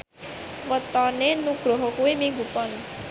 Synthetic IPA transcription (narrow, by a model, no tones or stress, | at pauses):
wət̪ɔnenuɡ̥ɾɔɦɔkuwimiŋɡupɔn